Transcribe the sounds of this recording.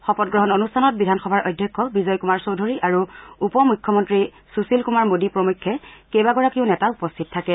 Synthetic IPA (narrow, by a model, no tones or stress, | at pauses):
xɔpɔt̚ɡɹɔɦɔnonustʰanɔt̚bidʱanxɔbʱaɹojdʱjɔkʰːɔbizɔjkumaɹsowdʱoɹiʔaɹuupɔmujkʰːɔmɔntɹi | susilkumaɹmodipɹomukʰːɛkejbaɡɔɹakiʊ̃nɛtaupɔstʰittʰakɛ